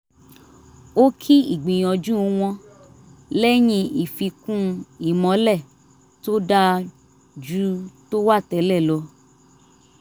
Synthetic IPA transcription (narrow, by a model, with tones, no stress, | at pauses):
o˦kʰi˦i˦˨ɡ͡bĩ˨j̃ɔ̃˧d͡ʒũ˦˧˦w̃ɔ̃˧ | lɛ˦j̃ĩ˧i˨fi˧kũ˦i˦˨mɔ̃˨˦lɛ˦˨ | to˦da˦ | d͡ʒu˦to˦wa˦˨tɛ˨˦lɛ˦˨lɔ˧˦